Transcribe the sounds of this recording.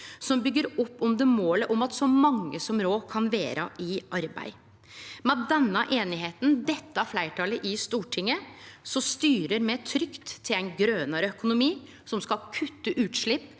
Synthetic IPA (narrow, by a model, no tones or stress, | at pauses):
sɔmbʏɡːəɾɔpːɔmd̪əmoːləʔɔmɑt̪sɔmɑŋːəsɔmɾoːkʰɑnʋeːɾʔəɪʔɑɾbæ̰ɪ | mɛd̪ɛnːəʔeːnɪɦeːt̪n̩d̪ɛt̪ːəɑflæɪʈʰɑːləʔɪst̪uːʈʰɪŋːəsɔst̪yːɾəɾmɛt̪ʰɾʏkt̪ʰːɪlæɪnɡɾøːnəɾəœkʊnʊmiː | sɔmskɑlkʰʉt̪ːəʔʉːt̪ʂɭɪpː